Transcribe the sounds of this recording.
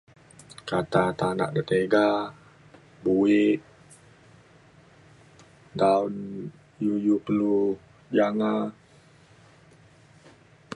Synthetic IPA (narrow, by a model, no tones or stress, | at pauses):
kat̪at̪ana̰ʔdət̪eɡa | buɪʔ | daun | jujuplu | d͡ʒaŋa